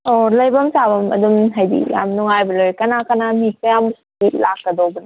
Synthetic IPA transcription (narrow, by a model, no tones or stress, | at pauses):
olɐjbɐmsabɐmɐ̰d̪umɦajdḭja̰mnuŋajbɐlojkɐnakanamikajamskilak̚ːɐd̪ɔbɯn